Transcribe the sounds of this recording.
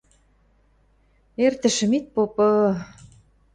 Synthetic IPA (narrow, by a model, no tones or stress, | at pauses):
ert̪ə̆ʃə̆mit̪̚popɤ